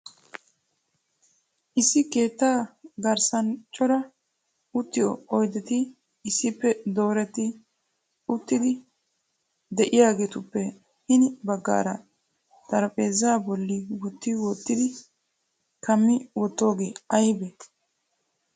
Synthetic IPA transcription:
ʔɪsːɪke̞ːt̪ːaːɡɐɾsɐnt͡ʃʼɔɾɐ | ʊt̪ːɪjɔ̰ɔjd̪ɛt̪ɪː | sːɪpːɛd̪o̞ːɾɛt̪ːɪ | ʊt̪ːɪd̪ɪ | d̪ɛʔɪjaːɡe̞ːt̪ʊpːɛ | hɪnɪbɐɡːa̰ːɾɐ | d̪̥ɐɾɐpʼe̞ːzaːbɔlːɪwɔt̪ːɪwɔt̪ːɪd̪ɪ | kɐmːɪwɔt̪ːo̞ːɡeːɐjbe

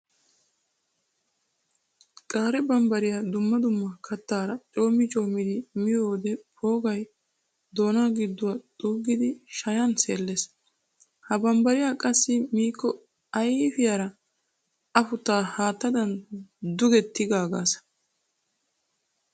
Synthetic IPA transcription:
kʼaːɾɛbɐmbɐɾɪjad̪ʊmːɐd̪ʊmːɐkʰɐt̪ːaːɾɐt͡ʃʼo̞ːmːɪt͡ʃʼo̞ːmːɪd̪ɪmɪjoːd̪ɛpʰo̞ːɡɐj | d̪o̞ːnaːɡɪd̪ːʊwɐt̪ʼuːɡɪd̪ɪʃɐjɐnseːlːes | hɐbɐmbɐɾɪjakʼɐsːɪmiːkːɔ | ɐjɪfɪjaɾɐ | ɐfʊt̪ːaːhaːt̪ːɐd̪ɐnd̪ʊɡɛt̪ːɪɡaːɡa̰ːsɐ̥

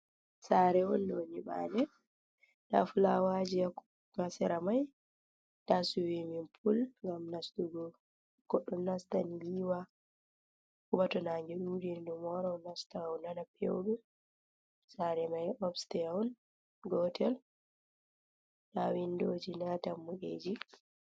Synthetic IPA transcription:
saɾɛwɔnːoɲiɓa̰nɛ | ɗa̰fulawad͡ʒiak | masɛɾamaj | dasuwiminpʰulŋɡamnastuɡɔ | ɡ̥ɔɗːɔmnastaniliwa | kubatɔnaŋɡɛɗud͡ʒindumɔɾɔnastawnanapʰɛ̰wbɛ | saɾɛmajʔɔbstɛɔn | ɡɔtʰɛl | ɗawindoːd͡ʒinatamːuʔḛd͡ʒi

